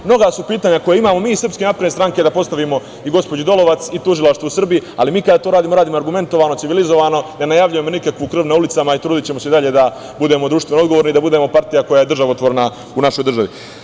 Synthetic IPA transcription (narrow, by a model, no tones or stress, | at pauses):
mno̞ɡasupiːt̪aɲako̞jeimaːmo̞miːisr̩pskenapɾed̪est̪ɾaŋke̞d̪apo̞st̪aʋimo̞ | iɡo̞spod͡ʑed̪o̞lo̞ʋat̪sit̪uʒilaʃt̪ʋousr̩bijia̰limiːkad̪at̪oɾaːd̪iːmo̞ɾaːd̪iːmo̞aɾɡume̞nt̪o̞ʋaːno̞siʋilizo̞ʋano̞ne̞najaʋʎuje̞mo̞nikakʋukr̩ʋnaulit̪samait̪ɾuːd̪it͡ɕemo̞seid̪aʎe̞d̪a | bud̪e̞mod̪ɾuːʃt̪ʋenoo̞d̪ɡoʋoɾnid̪abud̪e̞mo̞paɾt̪ijako̞jaje̞d̪r̩ʒaʋaot̪ʋoɾena | unaʃo̞jd̪r̩ʒaʋḭ